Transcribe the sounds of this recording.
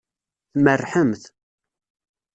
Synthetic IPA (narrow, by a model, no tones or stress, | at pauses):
θmərːħəmθ